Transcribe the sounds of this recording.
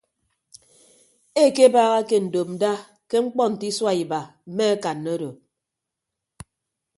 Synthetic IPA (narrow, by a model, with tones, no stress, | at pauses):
e˦˨ke˦baː˦ɣa˦ke˦n̩˨do˨p̚n̩˨da˦ | ke˦ŋ͡m̩˦k͡pɔ˦n̩˨ti˦swa˦˨i˨ba˨m̩˨˦me˦a˦ka˨nːo˦do˨